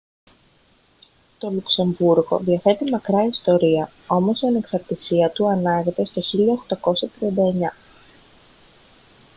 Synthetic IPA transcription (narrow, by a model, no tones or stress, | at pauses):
t̪o̞lukse̞ɱvuɾɣo̞̰ðiɐfe̞t̪imɐkɾɐist̪o̞ɾiɐ | o̞mo̞siɐne̞ksɐɾt̪isiɐt̪uɐnɐʝe̞t̪e̞st̪o̞çiʎɐoxt̪ɐko̞sɐt̪ɾiɐnd̪ɐe̞ɲɐ